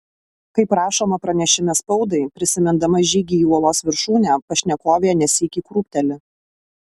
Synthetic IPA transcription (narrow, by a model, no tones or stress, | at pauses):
kɐɪpɾɑːʃoːmɐpɾɐnʲɛʃʲɪmʲɛspɒʊd̪ɐɪpʲɾʲɪsʲɪmʲɪnd̪ɐmɐʒʲiːɡʲiːuɔlˠoːsʋʲɪɾʃuːnʲæpɐʃʲnʲɛkoːʋʲeɛnʲɛsʲiːkʲiːkɾuːpʲt̪ʲɛlʲɪ